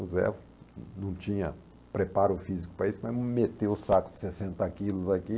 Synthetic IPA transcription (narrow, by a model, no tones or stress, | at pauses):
uzɛ̰v | nɐ̃w̃t͡ʃĩɲɐ | pɾepaɾʊfizikʊ̥pɾɐisʊmɐzmet̪ewʊsakʊd͡ʒ̪ɪ̥sesẽnt̪ɐkilʊzaki